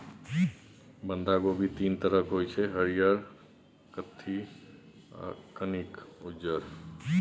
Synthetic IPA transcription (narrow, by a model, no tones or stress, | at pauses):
bənd̪aɡobʱit̪int̪əɾəkɦojt͡ʃʰɛɦəɾijəɾ | kət̪ʰːi | a̰kənikud͡ʒəɾ